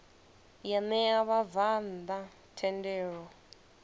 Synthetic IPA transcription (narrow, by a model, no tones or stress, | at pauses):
janɛaβavand̪a | tʰɛndɛːɺɔ